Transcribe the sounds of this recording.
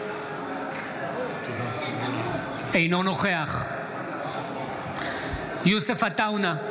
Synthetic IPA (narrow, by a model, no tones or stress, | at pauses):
ejnonoχeaχ | jusefat̪awna